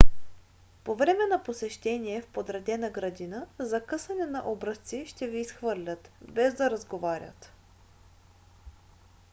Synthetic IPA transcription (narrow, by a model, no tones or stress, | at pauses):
povɾɛmɛnɐposɛʃt̪ɛniɛfpod̪ɾɛd̪ɛnəɡɾɐd̪inəzɐkɤsɐnɛnɐ̰ʔɔbɾəst̪siʃt̪ɛviːsxvɤɾlʲət̪bɛzd̪ɐɾɐzɡovaɾʲə̰t̪